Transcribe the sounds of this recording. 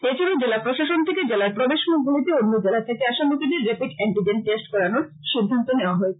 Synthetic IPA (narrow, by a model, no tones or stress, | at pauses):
et͡ɕʰilod͡ʑelapɾoʃaʃont̪ʰeked͡ʑelaɾpɾob̪eʃmud̪ʱonit̪ionːod͡ʑelat̪ʰekeaʃamot̪id̪eɾːepikɛɳʈid͡ʑenʈesʈkɔɾanoɾ | ʃid̪ʱːant̪oneoaɦɔe̥